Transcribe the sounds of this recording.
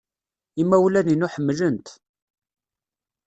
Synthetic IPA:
imːæwlæninuħəmːlənt̪

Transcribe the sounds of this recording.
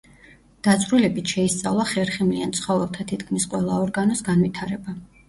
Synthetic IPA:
d̪̥at̪sʼɾulɛbit̪ʰʃɛist̪sʼavlˠaχɛɾχimliant̪sʰχɔvɛlˠt̪ʰat̪ʰit̪kʰmisqʼwɛlˠaɔɾɡanɔsɡanvit̪ʰaɾɛba

